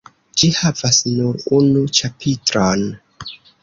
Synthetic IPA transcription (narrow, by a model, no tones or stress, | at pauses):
d͡ʒihavasnuɾunut͡ʃapʰitɾon